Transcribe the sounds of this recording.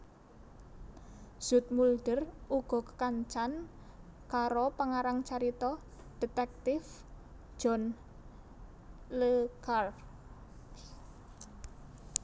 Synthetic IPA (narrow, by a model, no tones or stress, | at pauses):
z̥ṳt̪̚mulɖ̥əruɡ̥ɔ̤kə̥kaɲt͡ʃan | kaɾopaŋaɾaŋt͡ʃaɾit̪ɔ | ɖ̥e̤t̪ɛk̚t̪ɪf | d͡ʒ̥ɔ̤n | ləkar